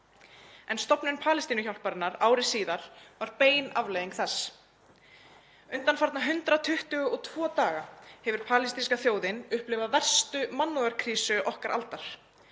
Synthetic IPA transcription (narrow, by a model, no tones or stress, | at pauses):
ɛnst̪ɔpnʏnpʰaːlɪst̪iːnʏçawlpaɾɪnaɾaːwɾɪsiːðaɾ̥vaɾpeːjnavleːjðiŋkθɛs | ʏnt̪anfaɾt̪naɦʏnt̪ɾat̪ʰʏht̪ʏɣɔt̪ʰvɔːt̪aːɣahɛvʏɾ̥pʰaːlɪst̪inskaθjoːwðɪnʏhplɪvavɛr̥st̪ʏmanːuaɾ̥kʰɾiːsʏʔɔhkaɾʔa̰lt̪aɾ̥